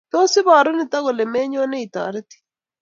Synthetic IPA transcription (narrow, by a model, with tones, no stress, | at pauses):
to˦sɪ˦βaː˨ɾo˦nɪ˨ta˦ɣo˨le˨me˦ɲo˦ne˦i˨ta̰ː˨ɾe˦ti̥˦